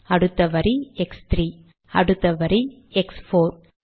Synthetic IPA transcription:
ɐɽɯt̪ːɐʋɐɾiɛkst̪ɾiː | ɐ̰ɽɯt̪ːɐʋɐɾi | ɛksfoːɾ

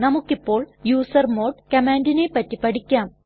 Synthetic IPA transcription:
nɐmukːipːo̞ːɭjuːsɐrmo̞ːɖkɐmaːndinepːɐtːipɐɽikʲːaːm

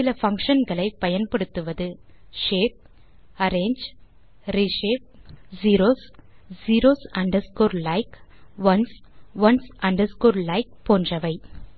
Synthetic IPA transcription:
sɪlɐfɐŋkʂɐnɡɐɭɐɪpːɐjɐnpɐɽɯt̪ːɯʋɐðɯʂeːp̚ | ɐɾeːɲd͡ʒ | ɾiʂeːp̚ziːɾoːsziːɾoːsɐɳɖɐskoːɾlɐɪkʋɐnsʋɐnsɐɳɖɐskoːɾlɐɪk̚poːndrɐʋɐɪ

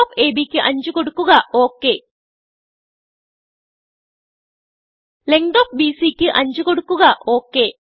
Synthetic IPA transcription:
keːbiːkːɨʔɐɲd͡ʒukoɽukːuɣaʔoːkːeː | leŋɖoːk̚biːsiːkːɨʔɐɲd͡ʒukoɽukːuɣaʔoːkːeː

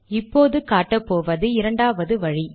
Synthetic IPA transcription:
ɪpːoːðɯkaːʈːɐpːoːʋɐðɯɪɾɐɳɖaːʋɐðɯʋɐɻi

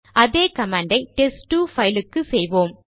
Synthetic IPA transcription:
ɐðeːkɐmaːɳɖɐɪʈɛsʈːuːfɐjlɯkːɯsɛjʋoːm

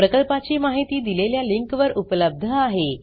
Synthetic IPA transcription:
pɾəkəlpat͡ɕiːmaɦit̪iːd̪ileljaliŋkʋəɾupələb̚d̪ʱəaɦe

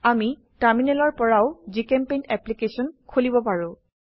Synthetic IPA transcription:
ami | ʈaɹminɛlɔɹpɔɹaʊzikɛmpejnɛplikesɔnkʰolibɔpaɹʊ̃

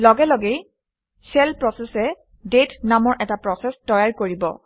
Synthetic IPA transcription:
lɔɡɛlɔɡej | sɛlpɹɔsɛsɛ | detnamɔɹʔɛtapɹɔsɛstɔjaɹkoɹibɔ̰

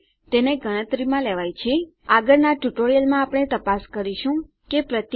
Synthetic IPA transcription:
t̪eneɡʱəɽ̃ə̃t̪ɾimãlɛʋajt͡ʃʰe | aɡəɾnaʈuʈoɾijəlmãapɽ̃et̪əpaskəɾiʃũ | kepɾət̪

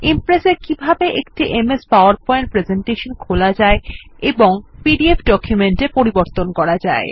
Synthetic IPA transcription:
impɾesekibʱabeʔekʈiʔemespaoaɾpɔeɳʈ̚pɾezeɳʈeʃonkʰolad͡ʑaeeboŋpiɖiefʰɖɔkʰjumeɳʈepoɾiboɾt̪onkɔɾad͡ʑae

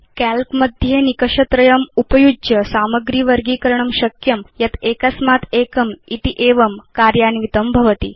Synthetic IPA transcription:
kælkmɐd̪ʱjenikɐʂɐt̪ɾɐjɐmupɐjud͡ʒjɐsaːmɐɡɾiːʋɐɾɡiːkɐɾɳ̃ɐmʃɐkjɐmjɐt̪eːkɐsmaːt̪eːkɐmit̪iʔeːʋɐmkaːɾjaːniʋit̪ɐmbʱɐʋɐt̪ḭː

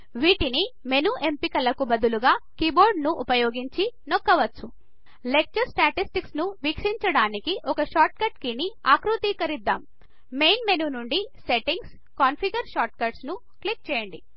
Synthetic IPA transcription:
ʋiːʈinime̞nuʔempikɐlɐkubɐd̪uluɡaːkiːboːɾɖnuʔupɐjoːɡiɲt͡ʃinokːɐʋɐt͡sːu | lek̚t͡ʃɐɾsʈaːʈisʈiksnuʋikʂiɲt͡ʃɐɽaːnikiʔɔkɐʃaːɾʈ̚kɐʈkiniaːkɾut̪iːkɐɾid̪ːaːm | mejnmenunuɳɖise̞ʈiŋɡs | kaːnpʰiɡɐɾʃaːʈkɐɾɖsnu | klik̚t͡ʃɛːjɐɳɖi

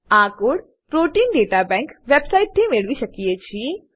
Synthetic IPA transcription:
ãːkʊɽ | pɾoːʈiːnɖeːʈabɛ̃ːŋkʋebsaɪʈ̚t̪ʰemeɭʋiʃɐkijet͡ɕʰi

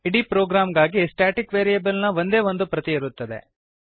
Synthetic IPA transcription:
iɽipɾoːɡɾaːmɡaːɡiesʈaːʈikʋeːɾijɐbɐlnɐʋo̞nd̪e̞ːʋond̪upɾɐt̪iiɾut̪ːɐd̪ḛ

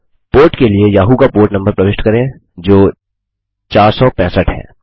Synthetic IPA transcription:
poːɾʈkeliejaːɦukapoːɾʈnɐ̃mbəɾpɾɐʋeːʃʈkɐɾẽ | d͡ʒoː | t͡ʃaːɾsɔpɛ̃ːsəʈɦɛ̰ː

